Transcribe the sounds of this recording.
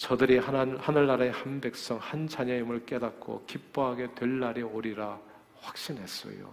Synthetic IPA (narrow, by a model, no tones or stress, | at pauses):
t͡ɕʌdɯɾihanɯɭːaɾehanbe̞k̚s͈ʌŋhand͡ʑaɲʌimɯɭk͈e̞dat̚k͈ʰo̰kip͈oɦaɡe̞twe̞ɭːaɾioɾiɾa | ɸwḁk̚ɕ͈inɦe̞s͈ʌ̰jo̰